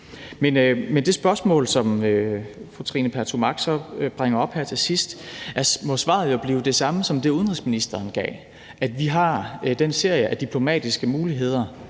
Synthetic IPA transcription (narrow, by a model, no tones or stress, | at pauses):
menmend̥e̝sb̥ɶɐsmɔ̰̽ːlsɒ̽møfʁut͡sʰʁḭːnəpʰæɐt͡sʰomɑ̈ɡ̥sɒ̽b̥ʁaŋ̰ɐɒ̽b̥hæɐt͡sʰe̝sisd̥ʔæɐsmɔ̽sʋɑ̰̈ːð̞̩ˠjo̝b̥liːʊd̥e̝sɑ̈məsɒ̽md̥e̝uðˠnʁisminisd̥ɐːnɡ̥ɛ̰ː | ʔæd̥ʋiɦɑ̈d̥ense̝ɐ̰jəʔæd̥ipʰlo̝mɛ̰ːd̥isɡ̥əmuːliɦe̝ð̞ˠɐ